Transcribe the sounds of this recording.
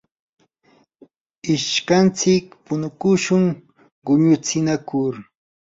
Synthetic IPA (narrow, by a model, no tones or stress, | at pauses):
ɪʃkant͡sɪkpʊnʊkʊʃʊŋ | ɢʊɲʊt͡sɪnakʊɾ